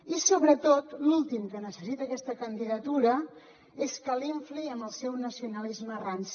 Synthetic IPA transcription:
isoβɾət̪ot̪lulˠt̪imkənəsəsit̪əːkɛst̪əkənd̪iðət̪uɾə | eskəliɱfliəmbəlˠsɛwnəsiunəlizmərans

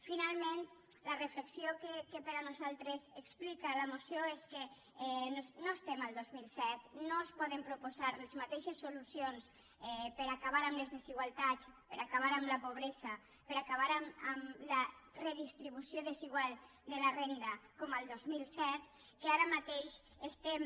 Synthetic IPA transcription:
finalˠmẽnt̪ | lərəfleksiokekepəɾanuzalˠt̪ɾezeksplikaləmusjoeske | ɛnosnoest̪eməlˠd̪ozmilˠsɛt̪noespɔðəmpɾupozaɾlezmat̪eʃesːulusions | ɛpəɾakaβ̞aɾamlezðeziɣ̞walˠt̪at͡spəɾakaβ̞aɾamləpoβ̞ɾezə | pəɾakaβ̞aɾaməmləreðist̪ɾiβusjoðəziɣwalˠ | d̪əlarend̪akɔmalˠd̪ozmilˠsɛt̪ | keaɾamat̪eʃ | est̪em

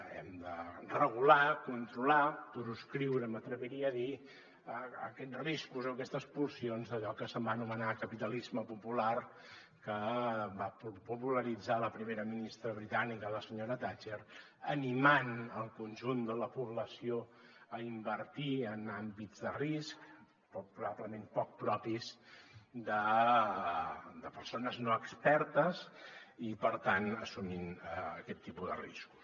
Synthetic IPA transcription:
ɛ̰md̪ərəɣ̞ulakunt̪ɾulapɾuskɾiwɾəmət̪ɾəβiɾiəːði | əə̰kɛd͡zriskuzokɛst̪əspursionzðəʎɔkəsəmbanumənakəpit̪əlizməpupular | kəbappupuləɾid͡zaləpɾimeɾəminist̪ɾəβɾit̪anikələsəɲoɾət̪at͡ʃer | ənimanəlˠkunʲʒund̪ələpuβləsioəimbəɾt̪iənambid͡zz̥d̪ərisk | pɔpɾuβabləmempɔk̚pɾɔpis | d̪ə | d̪əpəɾsonəznoəkspɛɾt̪əzipəɾt̪anəsuminəəkɛt̪ːipuðə̰rḭsku̥s

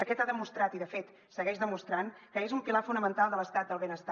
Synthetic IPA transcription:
əkɛt̪aðəmust̪ɾat̪iðəfet̪ | səɣɛʃðəmust̪ɾaŋkəezumpilafunəmənt̪alˠd̪ələst̪at̪̚d̪əlˠβenəst̪a

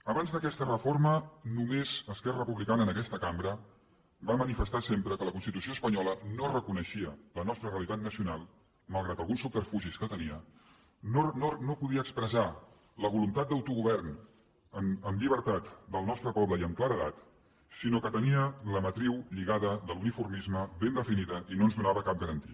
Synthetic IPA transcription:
əβanzðəkɛst̪ərəformənumezəskɛrəəpuβlikanəːnəkɛst̪əkambɾə | bamənifəst̪asempɾəkələkunst̪it̪us̬ioəspəɲɔlənorəkunəʃiələnɔst̪ɾəreəlit̪at̪nəsiunalˠ | məlˠɣɾat̪əlˠɣunsːupərfuʒiskət̪əniə | nononopuðiəkspɾəza | ləβulunt̪at̪̚d̪əwt̪uɣuβɛrn | əməmʎiβəɾt̪at̪d̪əlˠnɔst̪ɾəpɔβləiəmklaɾəðat̪ | sinokət̪əniələmət̪ɾiwʎiɣaðəðəlunifurmizməβend̪əfiniðəʔinoənzðunaβəkap̚ɡəɾənt̪iə

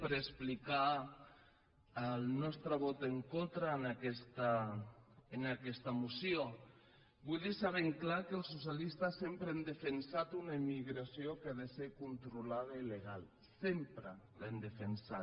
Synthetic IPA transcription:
pəɾesplika | lnɔst̪ɾaβɔt̪eŋkont̪ɾanakɛst̪a | enakɛst̪amusjo | bujðisaβeŋklakelˠsusjalist̪asːempɾeand̪efensat̪unaemiɣɾasiokaðeseɾkunt̪ɾulaðaileɣ̞al | sempɾəlend̪efensa

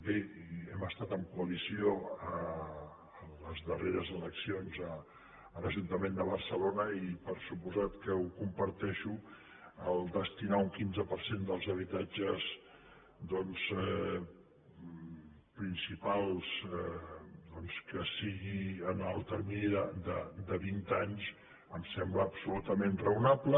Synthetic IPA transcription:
beɛməst̪at̪əmkuəlisioəː | ləzðəreɾəzələksionzəː | ləʒunt̪əmend̪əβərsəlonəipəɾsupuzat̪kəukumpəɾt̪ɛʃu | əlˠd̪əst̪inauŋkinzəpəɾsend̪əlˠzəβ̞it̪ad͡ʒəz | d̪ɔnz | pɾinsipalˠsɛd̪ɔnskəsiɣiənəlˠt̪əɾminðəd̪əd̪əβint̪aɲs | əmsɛmbləːbsulut̪əmenrəunaplə

